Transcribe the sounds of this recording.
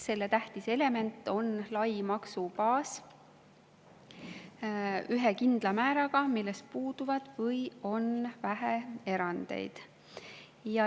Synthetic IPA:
se̞lːe̞t̪æht̪ise̞le̞me̞nt̪ːˑo̞nlɑjmɑksupɑːs | yɦekind̪̥lɑmæːɾɑɡ̥ɑmilːes̚puːd̪uvɑd̪̥vɤjo̞nvæɦee̞ɾɑnd̪̥e̞̰jd̪̥ | jɑ

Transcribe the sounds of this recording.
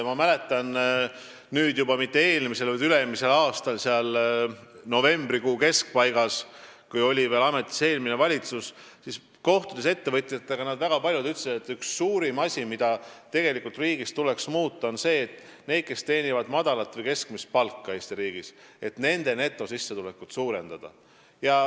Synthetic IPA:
mɑmæle̞t̪ːˑɑn | nyːd̪̥jubɑmit̪ːe̞e̞ːlmise̞lvɑjd̪ylemise̞lɑːst̪ɑlseɑl | no̞ve̞mbrikuːke̞sk̚pɑjɡ̥ɑskujo̞lʲive̞ːlɑme̞t̪ːˑi̥se̞ːlminevɑlʲit̪sussis | ko̞ht̪ud̪ese̞t̪ːe̞vɤt̪ʲːˑjɑt̪ːˑeɡ̥ɑnɑd̪væɡ̥ɑpɑlʲjud̪yt̪ːse̥et̪ːˑyksːuːɾimɑsʲimid̪̥ɑt̪e̞ɡ̥e̞likːˑult̪riːɡ̥ist̪ule̞ksmuːt̪ˑːɑo̞nse̞ːt̪ːˑne̞jd̪̥̚ke̞st̪e̞ːnʲivɑd̪mɑd̪̥ɑlɑt̪ːvɤjke̞skmist̪̚pɑlkːɑe̞ːst̪iɾiːɡ̥ise̞t̪ne̞nd̪̥e̞ne̞t̪ːˑo̞sisːe̞t̪ulekːut̪suːɾe̞nd̪̥ɑd̪̥ɑ̰ | jɑ

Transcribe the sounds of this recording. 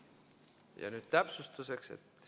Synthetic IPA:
jɑ̰nyːd̪̥t̪æpsust̪use̞ksḛt̪

